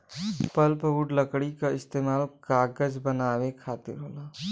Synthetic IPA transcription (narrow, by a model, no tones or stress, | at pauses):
pɐlpɦuːɖləkɽikaɪst̪eːmaːlkaːɡəd͡ʒbənaːwekʰaːt̪ɪ̰ɾɦoːlaː